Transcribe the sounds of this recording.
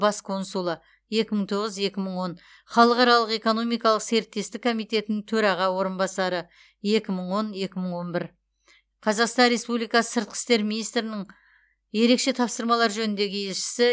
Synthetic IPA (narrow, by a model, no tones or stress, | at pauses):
bɑskʰo̞nsulˠə | je̞kʲɪməɴt̪ʰo̞ʁəzje̞kʲɪməɴwo̞n | χɑlˠəqɑɾɑlˠəqe̞ko̞no̞mijkɑlˠəqse̞ɾɪt̪ːe̞st̪ɪkʰːo̞mijt̪e̞t̪ɪnɪŋt̪ʰɵɾɑʁɑwo̞ɾənbɑsɑɾə | je̞kʲɪməɴwo̞nje̞kʲɪməɴwo̞nbɪɾ | qʰɑzɑqst̪ɑnɾe̞spublijkɑsə̥səɾt̪̚qʰə̥st̪e̞ɾminijst̪ɾɪnɪŋ | je̞ɾe̞kʃe̞t̪ʰɑpsəɾmɑlˠɑɾʒɵnɪnd̪e̞ɡʲɪe̞lʃɪ̥sɪ